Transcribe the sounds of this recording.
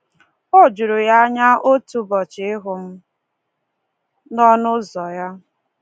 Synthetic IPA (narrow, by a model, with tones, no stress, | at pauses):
o˦d͡ʒu˨ɾʊ˨ja˦ɲa˦ʔo˦tu˨bɔ˨t͡ʃɪ˨ɪ˦ɦʊ˨m̩˦ | nɔ˦nʊ˦zɔ˨ja˦